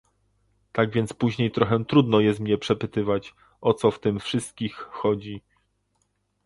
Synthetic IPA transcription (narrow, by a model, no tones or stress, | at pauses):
t̪aɡvʲjɛnt̪spuʑɲejt̪ɾɔxɛw̃t̪ɾud̪nɔjɛst̪mɲɛpʂɛpɘt̪ɘvat͡ɕ | ɔt̪sɔft̪ɘmfʂɘst̪̚kʲixːɔd͡ʑi